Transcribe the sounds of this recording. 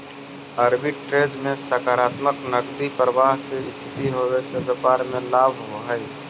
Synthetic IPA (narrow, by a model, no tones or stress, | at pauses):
əɾbɪʈʈɾeːd͡ʒmẽsəkaːɾaːt̪məknəɡd̪ipɾəʋaːɦseɪst̪ʰɪt̪iɦowesebjəpaːɾmẽlaːbʱɦoɦəi